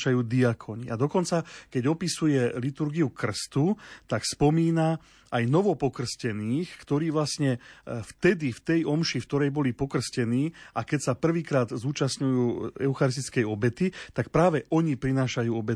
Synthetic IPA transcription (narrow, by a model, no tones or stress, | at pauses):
ʃajuːd̪iakʰɔɲiʔad̪ɔkɔnt͡sakɛɟɔpisujɛlit̪uɾɡiukr̩st̪ut̪akspɔmiːna | ajnɔʋɔpɔkr̩scɛniːxkt̪ɔɾiːʋlasɲɛft̪ɛd̪ift̪ɛjʔɔmʃift̪ɔɾɛjbɔlipɔkr̩scɛniːʔakɛcsapr̩ʋiːkɾaːd̪zuːt͡ʃasɲujuːɛ̰ʊxaɾis̬t̪i̥t͡skɛjɔbɛt̪it̪ak̚pɾaːʋɛʔɔɲipɾinaːʃajuːɔbɛ